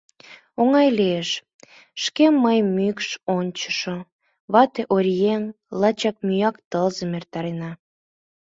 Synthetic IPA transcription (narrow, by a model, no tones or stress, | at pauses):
oŋɑjleeʃ | ʃkemːəjmykʃonʲt͡ɕə̥ʃo | βɑt̪eʔoɾʲjen | lɑt͡ɕɑk̚myjɑkt̪əlzəmert̪ɑɾenɑ